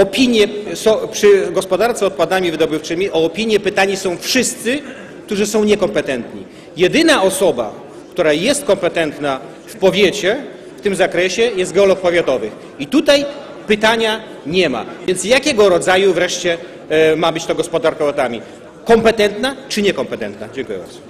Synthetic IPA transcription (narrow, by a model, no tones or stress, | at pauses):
ɔpʲiɲjɛsɔ̃w̃pʂɘɡɔspɔd̪aɾt̪sɛɔt̪̚pad̪amʲivɘd̪ɔbɘft͡ʂɘmʲiʔɔːpʲiɲjɛpɘt̪aɲisɔ̃w̃fʂɘst̪sɘ | kt̪uʐɨsɔ̃w̃ɲɛkɔmpɛt̪ɛnt̪ɲḭ | jɛd̪ɘnaʔɔsɔba̰ | kt̪uɾajɛst̪̚kɔmpɛt̪ɛnt̪na | fpɔvʲjet͡ɕɛ | ft̪ɘmzakɾɛɕɛjɛst̪ɡɛɔlɔkpɔvʲjat̪ɔvɘx | it̪ut̪aj | pɘt̪aɲa | ɲɛma̰vʲjɛnt̪sjakʲɛɡɔɾɔd̪zajuvɾɛʂt͡ɕɛ | mabɘt͡ɕt̪ɔɡɔspɔd̪aɾkɛɔt̪amʲi | kɔmpɛt̪ɛnt̪nat͡ʂɨɲɛkɔmpɛt̪ɛnt̪nad͡ʑɛ̃ŋkujɛ̰ba̰ɾdzu̥